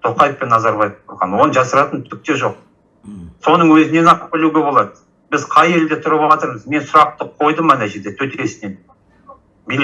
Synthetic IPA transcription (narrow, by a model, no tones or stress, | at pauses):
t̪ʰo̞qɑjəfpe̞nːɑzɑɾbɑjefb̪ʊɾʁɑ̰nwo̞nəʒɑsəɾɑt̪ənt̪ʰʏk̚t̪e̞ʒo̞q̚ | so̞nəɴwɵzɪne̞nɑqəp̚bɪluɡʲe̞bo̞lˠɑd̪ə | bɪzqʰɑje̞ld̪et̪ʰʊɾəpɑt̪əɾməzme̞nsʊɾɑp̚t̪əqʰo̞jd̪əmɑnæʒe̞ɾd̪e̞t̪ʰɵt̪eɾesɪnen | bijl